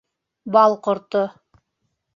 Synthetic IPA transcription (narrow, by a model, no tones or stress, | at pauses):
bɑlˠqŏɾt̪o